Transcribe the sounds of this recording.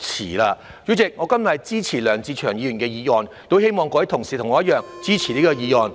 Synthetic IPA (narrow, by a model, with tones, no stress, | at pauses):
t͡sʰḭː˨˩laː˧ | jyː˨˥t͡sɪ˨k̚ŋɔː˨˧kɐ˥nmɐ˨˩jt͡siː˥t͡sʰiː˨˩lœː˨˩ŋt͡siː˧t͡ʃʰœː˨˩ŋjiː˨˧jy˨˩nkɛː˧jiː˨˧jɔː˨˩n | t̪o˥whe˥jmɔː˨˧ŋkɔː˧˥ji˨˥t̪ʰʊ˨˩ŋsiː˨t̪ʰʊ˨˩ŋːɔː˨˧jɐ˥t̚jœː˨ŋt͡siː˥t͡sʰi˨˩niː˥kɔː˧jiː˧jɔː˨˩n